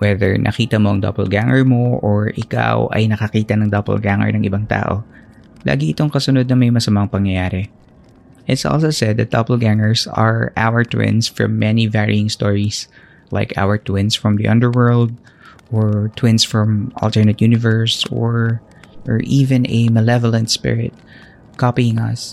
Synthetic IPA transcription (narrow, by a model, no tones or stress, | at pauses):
wɛðɛ̰ɹnʔɐ̰kiːt̪ɐmoʔɐŋd̪ɔ̰pɛlɡaŋɛɹmoʔoɹʔɪka̰wʔɐ̰jnɐkɐkiːt̪ɐnɐŋd̪ɔpɛ̰lɡaŋɛ̰ɹnɐŋʔɪbaŋt̪a̰ːʔo̰ | lʔa̰ːɡiɪt̪oŋkɐsʊnod̪̚nɐmɐjmɐsɐmaŋpɐŋjɐjaːɾɛ | ʔɪt̪sʔo̰lˠsowsɛd̪̚ːɐt̪̚d̪o̰pɛlɡaŋɛɹsɐɹʔa̰wəɹt̪wɪ̰̃nsfɹɔ̰̃mːɛnivɛɹḭɪ̃ŋst̪ɔːɹis | la̰ɪkʰa̰wəɹt̪wɪ̃nsfɹɔ̃md̪ḭʔɐ̰̃nd̪əɹwɜ˞ld̪̚ | ʔɔɹt̪ʰwɪ̃nsfɹɔmʔɐ̰lt̪ɛɹnɐt̪junɪvɛɹsɔ̰ɹ | ʔɔɹʔiːvɛ̃nɛmɛlɛvɔlɐ̃nt̪spɪ̰ɹɪt̪̚ | kɔpiɪ̃ŋɐs